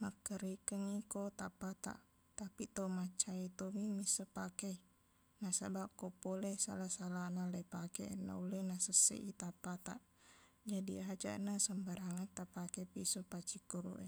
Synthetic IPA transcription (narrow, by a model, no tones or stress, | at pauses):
məkəɾikəŋikot̪apat̪a̰ʔ | t̪apit̪omat͡ʃait̪omimisəpake | nasabakopolɛsa̰lasalanaləpakɛna̰ulənasəsḭʔit̪apat̪a̰ʔ | d͡ʒadḭat͡ʃa̰ʔnasəmbəɾaŋat̪ːapakɛpisopat͡ʃikuɾṵʔ